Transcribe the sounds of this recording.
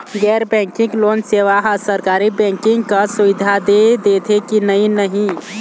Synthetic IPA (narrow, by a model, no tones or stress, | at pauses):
ɡɛːɾbɛ̃ŋkɪ̃ŋɡloːnseʋaɦasəɾkaːɾibɛ̃ːŋkɪ̃ŋɡkasuʋid̪ʱad̪ed̪et̪ʰekinəinəɦĩ